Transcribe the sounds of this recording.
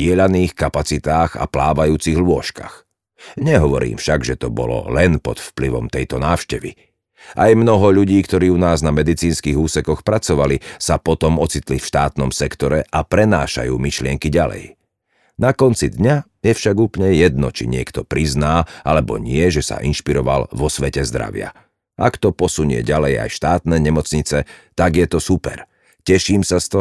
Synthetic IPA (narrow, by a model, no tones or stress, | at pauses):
ɪɛʎaniːxkapat͡sit̪aːɣa̰plaːʋajuːt͡siɣlʊɔʃka̰x | ɲɛɦɔʋɔɾḭːmfʃaɡʒɛt̪ɔbɔ̰lɔ̰lɛnpɔt̪fpliʋɔ̰mt̪ɛjt̪ɔnaːʊʃcɛʋḭ | ʔajmnɔɦɔʎuɟiːkt̪ɔɾiːunaːznamɛd̪it͡siːnskiɣuːsɛkɔxpɾat͡sɔʋalisapɔt̪ɔmɔt͡sit̪lifʃt̪aːt̪nɔmsɛkt̪ɔɾɛʔapɾɛna̰ːʃa̰jṵːmiʃlɪɛŋkiɟalɛ̰j | nakɔnt͡sid̪ɲa | jɛfʃaɡuːpl̩ɲɛjɛd̪̚nɔ̰t͡ʃḭɲɪɛkt̪ɔpɾiznaːalɛbɔ̰ɲɪɛʒɛsa̰ʔinʃpiɾɔʋa̰lʋɔsʋɛcɛzd̪ɾa̰ʋɪa̰ | ʔakt̪ɔpɔsuɲɪɛ̰ɟalɛja̰jʃt̪aːt̪nɛːɲɛmɔt͡sɲit͡sɛt̪aɡjɛt̪ɔsupɛ̰ɾ | cɛʃiːmsast̪ɔ